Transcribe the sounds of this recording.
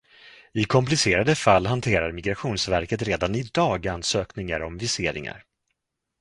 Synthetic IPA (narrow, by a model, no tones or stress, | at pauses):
ɪkʰɔmplɪseːɾad̪əfalːɦant̪ʰeːɾaɾmɪɡɾaɧuːnsvæɾkət̪ɾeːd̪anɪd̪ɑːɡanːsøːknɪŋaɾɔmvɪseːɾɪ̰ŋa̰ɾ